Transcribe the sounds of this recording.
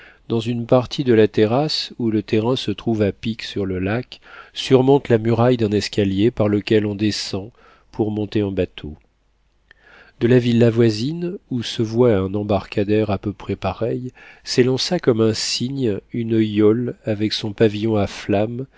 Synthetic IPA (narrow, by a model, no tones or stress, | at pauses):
d̪̥ɑ̃zynpaʁt̪ʰid̪əlat̪eʁasulət̪eʁɛ̃sət̪χuvapiksyʁləlaksyʁmɔ̃t̪lamyʁajd̪ɛ̃nɛskaljepaʁləkʲɛlɔ̃d̪esɑ̃ | pʰuʁmɔ̃t̪eɛ̃bat̪ʰo̰ | d̪əlavilːavwazinusəvwaɛ̃nɑ̃baʁkad̪ɛʁapøpχɛpaʁɛjselɑ̃sakɔmɛ̃siɲynəjɔlavɛksɔ̃pavijɔ̃aflam